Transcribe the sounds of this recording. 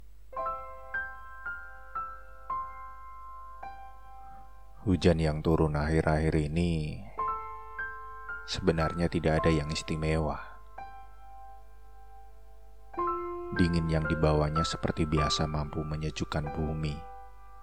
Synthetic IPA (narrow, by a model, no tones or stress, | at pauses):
hud͡ʒanjaŋt̪uɾʊnaɦɪɾʔaɦɪɾini | səbənarɲat̪idakːdajaŋist̪imewah | diŋɪnjaŋdibawaɲasə̥pərt̪ibiasamampuməɲəd͡ʒukanbumi